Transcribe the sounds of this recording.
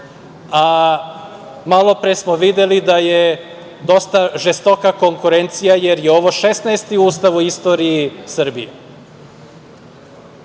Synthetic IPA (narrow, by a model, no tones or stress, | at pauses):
a | malˠo̞pɾesmoʋid̪elid̪aje̞ | d̪o̞st̪aʒest̪o̞kako̞ŋkuɾe̞nt̪sijaje̞ɾje̞o̞ʋo̞ʃesnaest̪iuːst̪aʋuist̪o̞ːɾijisr̩bijḛ